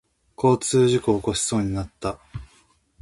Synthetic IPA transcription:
kʰo̞ːt͡sɨːʑikoːko̞ɕi̥so̞ːɲ̟inat̪ːa

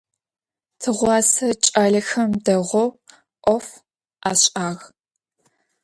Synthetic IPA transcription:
tʰɨʁʷɑːsɐt͡ʃʼaːɮɐxɐmdɐʁʷɔw | ʔʷɔf | aːɕʼaːɣ

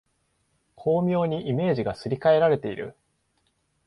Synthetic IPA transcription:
kʰo̞ːmʲjo̞ːɲ̟iʔime̞ːʑiɡasɨɾʲikae̞ɾaɾe̞t̪e̞iɾɯ̰

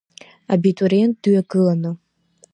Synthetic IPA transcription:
a̰bitʼuɾient̚dyɥaɡɨlanɨ

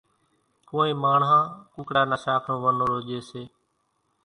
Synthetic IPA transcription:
koːẽːmaːɳɦãːkʊ̃ːkɽaːnaːʃaːkʰnõːʋənoːɾoːʄeːseː

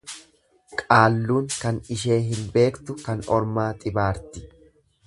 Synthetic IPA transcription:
kʼaːlːuːŋkɐnɪʃe̞ːɦɪnbe̞ːkt̪ʊkɐnɔɾmaːt̪ʼɪbaːɾt̪ɪ̥

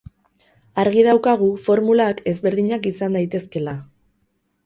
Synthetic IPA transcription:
aɾɣiðawkaɣ̞ufo̞ɾmulake̞zβe̞ɾðiɲakisand̪ajt̪e̞ske̞la

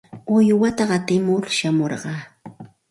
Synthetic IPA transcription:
ʊjwat̪aɢɑt̪ɪmʊɾʃamoɾɢɑː

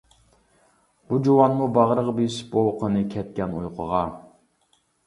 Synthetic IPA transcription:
b̥ud͡ʒowɑnmubɑʁɾəʁbiʃbowˠqʰənɨkʲʰɛt̪̚kʲɛnṵjqʰəʁɑ

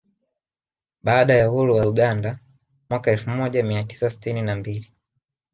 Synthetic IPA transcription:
ɓaːɗajahuɾuwauɠanda | mwakaɛlfumɔʄamiati̥sasi̥tininambili

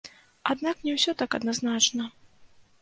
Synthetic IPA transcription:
ad̪naknʲɛwsʲɔt̪akɐd̪naznat͡ʂnɐ

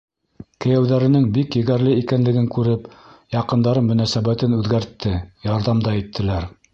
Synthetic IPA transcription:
kɘ̆jæwðæɾɘ̆nɘŋbikjɘ̆ɡæɾlɘikænlɘ̆ɡɘŋkʉɾɘpjɑqɤ̆nd̪ɑɾɤnmɵ̆næsæβæt̪ɘnʉðɡæɾt̪ːɘjɑɾðɑmd̪ɑit̪ʰːɘ̆læɾ

